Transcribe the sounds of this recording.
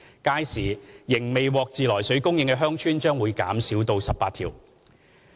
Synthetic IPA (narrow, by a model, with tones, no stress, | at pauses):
kaː˥jsiː˨˩jɪ˨˩ŋme˨jwɔː˨˧k̚t͡siː˨˧lɔː˨˩jsɵ˨˥ɥkʊ˥ŋjɪ˧ŋkɛ˧ɦœː˥ŋt͡ʃʰyː˥nt͡ʃœː˥ŋwuː˨˧jka̰ː˨˥msiː˨˥wt̪o˧wsɐ˨p̚ːaː˧t̪̚ʰiː˨˩w